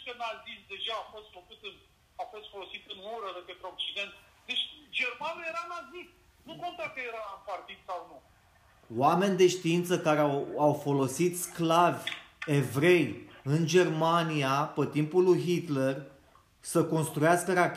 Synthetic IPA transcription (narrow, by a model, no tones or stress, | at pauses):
kənazisd̪e̞ʒaːfo̞st̪fəkut̪ɨn | afost̪fo̞lo̞sit̪ɨnuɾəd̪epet̪ɾeok̚t͡ʃid̪e̞nt̪ | d̪e̞t͡ʃʲd͡ʒe̞rmanuje̞ɾanazist̪ | nukont̪akəjeɾaɨnpart̪id̪sawnu | wame̞nʲd̪e̞ʃt̪iint̪səkaɾeawawfo̞lo̞sit̪sklavʲ | e̞vɾe̞jɨnd͡ʒe̞rmaniapət̪impulujɦit̪le̞r | səko̞nst̪ɾujaskəɾak